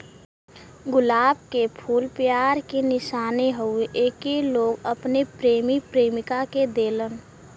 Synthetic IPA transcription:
ɡʊlaːbkepʰuːlpjaːɾkenɪʃaːneɦəueʔeːkeloːɡəpnepɾeːmipɾeːmɪkaked̪eːlən

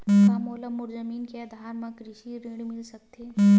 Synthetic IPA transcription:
mãmoːləmːʊɾzəmiːnkeɐd̪ʱaːɾmẽkɾɪʃiɾeɽmɪlsɐk̚t̪ʰeː

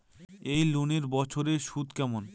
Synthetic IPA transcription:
ejluneɾbɔt͡ɕʰoɾeʃud̪kɛmon

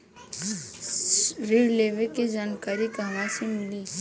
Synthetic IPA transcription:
ɾiɽleʋeked͡ʒaːnkaːɾikʋãsimɪli

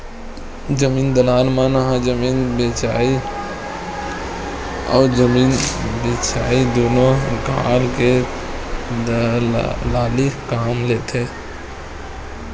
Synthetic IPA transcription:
d͡ʒəmiːnd̪əlaːlmãnəɦãd͡ʒəmiːnbeːt͡ʃaːi | ɔ̰ːɾd͡ʒəmiːnbeːt͡ʃaːid̪oːnoɡaːlke | d̪ | laːlikaːmleːt̪ʰe

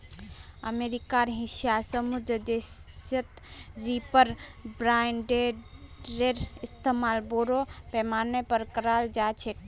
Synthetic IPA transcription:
ə̰meɾikaɾɦiʃjasəmud̪ɾəd̪esət̪ | ɾipəɾbɾajnɖe | ɾeɾist̪ʰemalboɾopɛmaɾnepəɾkəɾald͡ʒat͡ʃʰek

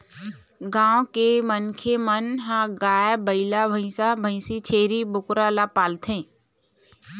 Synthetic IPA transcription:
ɡãːõkemənkʰemənɦãɡaːjbəɪlabʱə̃ɪ̃sabʱə̃ɪsit͡ʃʰeːɾibʊkɾalapaːlt̪ʰẽː

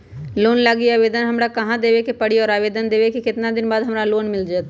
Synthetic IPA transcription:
loːnlaːɡiaːʋeːd̪ənɦɐmɾakɐɦãd̪eːʋekepɐɽ̤iɔːɾaːʋeːd̪ənd̪eːʋekekɪt̪nad̪ɪnbaːd̪ɦɐmɾaloːnmɪld͡ʒaːt̪ː

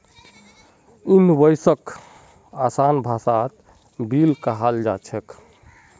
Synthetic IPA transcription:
unbəjsək | asanbʱasat̪ | bilkaɦald͡ʒat͡ʃʰɛk

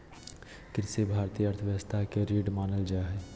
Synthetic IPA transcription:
kɪɾsebʱaːɾt̪iːjəəɾt̪ʰəʋjəʋəst̪ʰaɦkeɾeːɖmaːnəld͡ʒaɦɛː

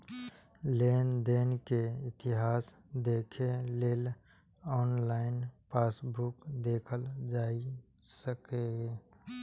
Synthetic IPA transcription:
leːnd̪eːnkeɪt̪ɪɦaːs | d̪eːkʰeleːl | ɔːnlaːɪnpaːsbʱʊkd̪eːkʰəld͡ʒaːi | səkeːɡe

